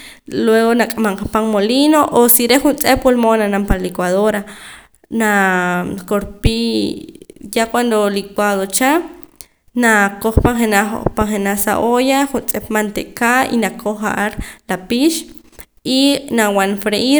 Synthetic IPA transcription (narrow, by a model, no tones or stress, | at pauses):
lweɣonakʼamaŋqapaŋmolinoʔosiɾeχunt͡sʼepwolmonanampaɾlikwaðoɾa | na | koɾpi | jakwand̪olikwaðot͡ʃa | nakoχpaŋχenapaŋχenasa̰ʔojaχunt͡sʼepmant̪eʔkaḭnakʰoχa̰ʔaɾlapiʃ | inawanfɾeʔi